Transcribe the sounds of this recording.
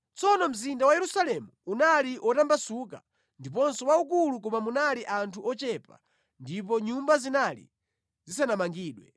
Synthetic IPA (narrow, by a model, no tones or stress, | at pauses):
t͡sɔnɔm̩zindawajɛɾusalɛmuunaliʔɔtambasuk̬a̰ | ndip̬ɔnsɔwaukuluk̬ɔmamunaliʔantʰuɔt͡ʃɛpa | ndipɔɲumbazinalḭ | zis̬anamaŋɡiːɗwɛ